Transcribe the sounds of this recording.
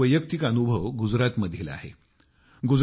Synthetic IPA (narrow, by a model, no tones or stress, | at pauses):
əjək̚t̪ikənubʱəʋɡud͡zɾat̪məd̪ʱjila̰ɦḛ | ɡud͡z